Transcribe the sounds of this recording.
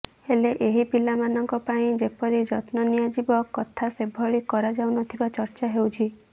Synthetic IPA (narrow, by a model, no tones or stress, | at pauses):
heleʔeɦipilamanɔŋkɔpaĩd͡ʒepɔɾid͡ʒɔt̪nɔnijad͡ʒibɔkːɔt̪ʰasebʱɔɭikɔɾad͡ʒawnɔt̪ʰibat͡ʃɔɾt͡ʃaɦewt͡ʃʰi